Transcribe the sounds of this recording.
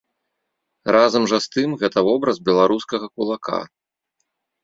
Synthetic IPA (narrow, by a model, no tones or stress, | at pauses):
razɐmʐɐst̪ɨmɣɛt̪ɐvɔbɾɐzbʲɛlˠaɾuskɐɣɐkulˠakʰa̰